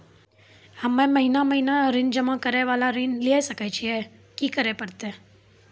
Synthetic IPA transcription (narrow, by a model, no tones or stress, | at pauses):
həmẽməɦinaməɦinaɾind͡ʒəmãkəɾeʋalaɾinliaʃəkajt͡ʃʰiekikəɾepəɾt̪e